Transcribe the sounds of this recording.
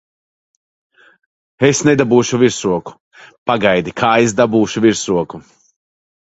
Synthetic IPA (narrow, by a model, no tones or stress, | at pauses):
esned̪abuːʃuviɾsɾuɔku̥ | paɡajd̪ikʰaːesd̪abuːʃuviɾsɾuɔku